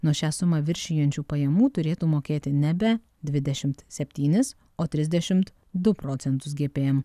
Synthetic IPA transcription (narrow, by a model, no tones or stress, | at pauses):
nuɔʃʲæːsʊmɑːʋʲɪɾʲʃʲɪjɛnʲt͡ʃʲuːpɐjɛmuːt̪ʊɾʲeːt̪uːmoːkʲeːt̪ʲɪnʲɛbʲɛ | d̪ʲʋʲɪd̪ʲɛʃʲɪmt̪sʲɛpʲt̪ʲiːnʲɪs | oːt̪ʲɾʲɪzʲd̪ʲɛʃʲɪmt̪ | d̪ʊpɾɔt̪sʲɛnt̪ʊs̬ɡʲeːpʲeːjɛm